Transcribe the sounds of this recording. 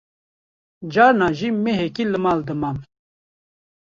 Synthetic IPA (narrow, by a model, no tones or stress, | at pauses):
d͡ʒɑːɾnɑːʒimeɦekilɨmɑːld̪ɨmɑm